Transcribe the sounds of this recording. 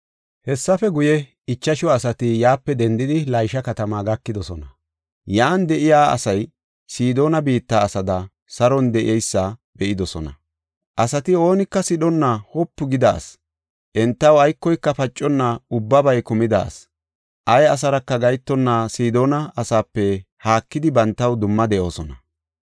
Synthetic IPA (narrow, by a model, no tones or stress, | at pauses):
hɛsːɐfɛɡʊjɛ | ɪt͡ʃːɐʃɔɐsɐt̪ɪjaːpːɛd̪ɛnd̪ɪd̪ɪlɐjʃɐkɐt̪ɐmaːɡɐkːɪd̪ɔsɔnɐ | jaːnd̪ɛʔɪjaːɐ̰sɐj | siːd̪o̞ːnɐbiːt̪ːaːsɐd̪ɐ | sɐɾɔnd̪ɛʔɪ̰ɛjsːɐb̥ɛʔɪd̪ɔsɔnɐ̰ | ʔɐsɐt̪ɪo̞ːnɪkːɐsɪɗɔnːahɔpːʊɡɪd̪aːs | ʔɛnt̪ːɐwɐjkːɔjkːɐfɐt͡ʃʼːɔnːaʊbːɐbɐjkʊmɪd̪a̰ːs | ʔɐjɐs̬ɐɾɐkːɐɡɐjt̪ːɔnːaːsiːd̪o̞ːnɐɐsaːpːɛhaːkːɪd̪ɪbɐnt̪ːɐwd̪ʊmːɐd̪ɛʔo̞ːsɔnɐ